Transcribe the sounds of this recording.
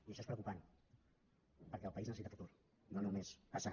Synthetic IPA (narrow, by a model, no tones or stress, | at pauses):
iəʃɔespɾəwkupan | pəɾkɛəlˠpəiznəsit̪afut̪uɾ | nonumespasa